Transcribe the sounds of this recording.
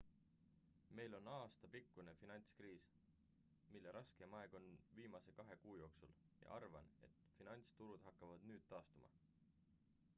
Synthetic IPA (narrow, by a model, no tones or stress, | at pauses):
me̞jlo̞nɑːst̪ɑpikːune̞finɑnʲt̪skriːs | milːe̞ɾʔɑske̞mɑe̞ɡ̥o̞nviːmɑse̞kɑɦe̞kuːjo̞ːksul | jɑ̰ʔɑrvɑ̰ne̞̰t̪finɑnʲt̪st̪uɾud̪̥ɦɑkːɑvɑd̪̥nyːd̪̥̚t̪ɑːst̪umʔɑ̰